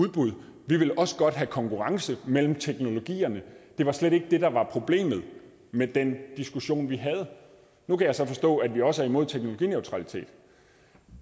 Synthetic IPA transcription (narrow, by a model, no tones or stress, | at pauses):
uð̞ˠb̥uð̞̰ˠʋiʋe̝lʔɒ̽sə̥ɡ̥ɒ̽d̥ɦækʰɒ̽ŋkʰuʁɑ̈ŋsəmel̰m̩t͡sʰeɡ̥no̝lo̝ɡ̥ḭːɐnəd̥e̝ʋɑ̈sleɾe̝ɡ̥əd̥e̝d̥ɑ̈ʋɑ̈pʰʁo̝b̥le̝̰ːmð̞̩ˠ | med̥end̥isɡ̥uɕo̝̰ːnʋiɦæð̞̩ˠə | nukʰæjɑ̈ɪsɒ̽fɒ̽sd̥ɔ̰̽ːæd̥ʋiɒ̽səæɐimo̝ð̞̰ˠt͡sʰeɡ̥noloɡ̥ḭːneʊt͡sʰʁɑ̈lit͡sʰe̝̰ːd̥